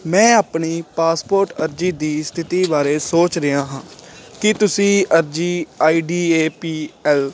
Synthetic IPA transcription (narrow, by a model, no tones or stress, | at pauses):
mɛ̃ːaːpɳiːpaːspoːɾʈəɾd͡ʒiːd̪iːst̪ʰɪt̪iːbaːɾeːsoːt͡ʃɾɪjaːɦãːkɪt̪ʊsĩːəɾd͡ʒiːaːiːɖiːeːpiːɛːl